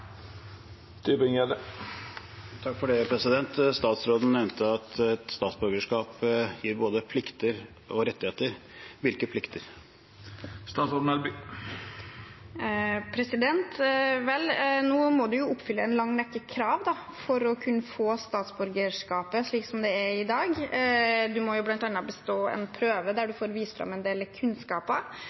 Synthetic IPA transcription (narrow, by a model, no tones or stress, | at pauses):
t̪yːbɪŋɛd̪ə | t̪ʰɑkːfɔɖɛpʰɾɛsɪd̪ɛnt̪st̪ɑːt̪sɾoːd̪n̩ɛʋnt̪əɑt̪ɛt̪st̪ɑːt̪sbœɾɡəʂkɑːpjiːɾboːd̪əpʰlɪkt̪əɾ | ɔɾɛt̪ːɪheːt̪əɾʋɪlkəpʰlɪkt̪ʰəɾ | st̪ɑːt̪sɔɖ̪n̩ɑɾby | pʰɾɛsɪd̪ɛnt̪ʋɛlnuːmɔd̪ʉjʊʔʊpːfʏlːəɛnlɑŋːnɛkːəkʰɾɑːʋd̪ɑ | fɔɾɔkʰʉnːəfoːst̪ɑːt̪sbʉɾɡəʂkɑːpəʂɭiːksɔmd̪ɛæɪd̪ɑːɡ | d̪ʉmɔjʊblɑnt̪ɑnːɑt̪bəst̪oːɛ̰npʰɾøːʋəd̪æɖʉfoːɾʋiːsfɾɑ̰mɛnd̪eːləkʰʉnskɑːpɑ